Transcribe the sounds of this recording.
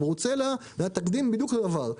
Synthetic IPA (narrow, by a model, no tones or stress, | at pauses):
ʁut͡selazeat̪akd̪imbid̪jukledavaʁ